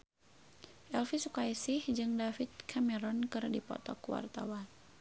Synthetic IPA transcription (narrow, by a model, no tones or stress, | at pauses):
ʔɛlfisukaisɪhd͡ʒɨŋdafit̪̚kʰamɛɾɔnkɨrdipɔ̰t̪ɔkwa̰rt̪a̰wan